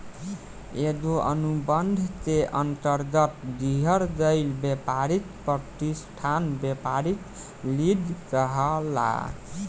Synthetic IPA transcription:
ed̪oʔə̰nubənd̪ʱt̪eʔənt̪əɾɡət̪d̪iɦəɾd͡ʒəɪlbepaɾit̪pəʈ̪isʈʰanbepaɾit̪ | lid̪ʱkəɦəla̰

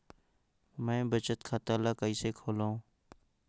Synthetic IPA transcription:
mɛ̃ːbət͡ʃət̪kʰaːt̪aːlaːkəiːseːkʰoːlãõː

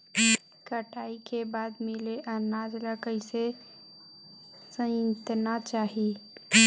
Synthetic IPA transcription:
kəʈaːikebad̪mɪleʔənaːd͡ʒlakəɪse | sə̃nt̪nat͡ʃaːɦi

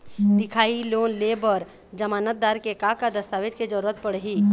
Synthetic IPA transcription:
d̪ɪkʰaːiloːnlebɔɾ | d͡ʒəmaːnət̪̚d̪aːɾkekakad̪əst̪aːʋed͡ʒked͡ʒəɾuːɾət̪̚pəɽ̤ɦiː

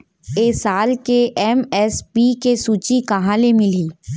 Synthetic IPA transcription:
eːsaːlkeʔɛmɛspikesuːt͡ʃikɐɦãlemɪliː

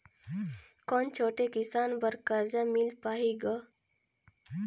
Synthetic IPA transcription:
kɔːnt͡ʃʰoːʈekisaːnbəɾkəɾd͡ʒamilpaːɦiɡɔ

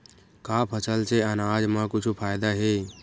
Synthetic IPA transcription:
kaːpʰət͡ʃəlt͡ʃeənaːd͡ʒmãkʊt͡ʃʰupʰaːjd̪aɦe

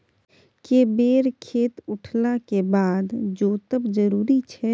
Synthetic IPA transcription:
kebeːɾkʰeːt̪ʊʈʰlakebaːd̪d͡ʒoːt̪əbd͡ʒəɾuːɾit͡ʃʰɛ

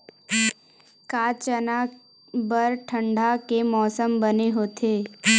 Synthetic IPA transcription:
kaːt͡ʃəna | bəɾʈʰə̃ɳɖʱakemɔːsəmbəneɦoːt̪ʰeː

